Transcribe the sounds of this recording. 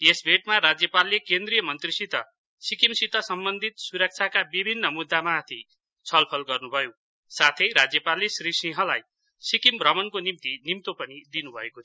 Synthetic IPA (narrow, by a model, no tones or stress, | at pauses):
esbʱeʈmaɾad͡zjʌpalːekend̪rijʌmʌnt̪risit̪ʌ | sikimsit̪ʌsʌmbʌnd̪ʱit̪suɾʌk̚t͡sʰakabibʱinːʌmud̪ːamat̪ʰi | t͡sʰʌlpʰʌlɡʌrnubʱʌjo | sat̪ʰʌjɾad͡zjʌpalːesrisĩɦʌlaj | sikimbrʌmʌnkonimt̪inimt̪opʌnid̪inubʱʌeko